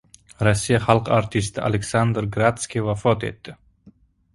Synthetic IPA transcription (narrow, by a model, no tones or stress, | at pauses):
ɾasʲːijaχalˠqaɾt̪ʰist̪a̰lʲeksand̪ɾɡɾat̪skʲivafɔt̪ḛt̪ːɪ